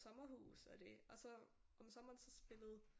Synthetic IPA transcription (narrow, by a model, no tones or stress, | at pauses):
sɒ̽mɐhṵːsɒd̥e̝ɒ̽sɒ̽ | ɒ̽msɒ̽mɐːnsɒ̽sb̥e̝lð̞̩ˠ